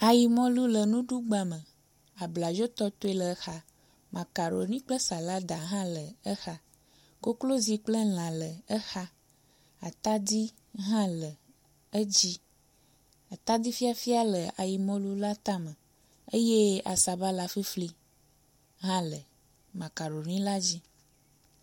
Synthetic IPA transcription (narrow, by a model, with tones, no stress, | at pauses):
a˨ji˨mɔ̃˦lu˦lə˨nũ˦ɖu˦ɡ͡ba˦mə̃˨ | a˨bla˨d͡ʒo˦t̪ɔ˦t̪o˦e˦lə˨˦xa˦ | mã˨ka˨ɾo̰˨nĩ˦k͡plə˦sa˨la˦d̪a˨ɦã˦lə˨ə˦xa˦ | ko˦klo˦zi˦k͡plə˦l̃ã˨lə˨ə˦xa˦ | a˨t̪a˦d̪i˦ | ɦã˦lə˨ | ə˦d͡ʑi˦ | a˨t̪a˦d̪i˦fi˦a˦fi˦a˦lə˨ʔa˨ji˨mɔ̃˦lu˦la˦t̪a˦mə̃˨ | e˦je˦a̰˨sa˨ba˦la˦fi˦fli˦ | ɦã˦lə˨ | mã˨ka˨ɾo˨nĩ˦la˦d͡ʑi˦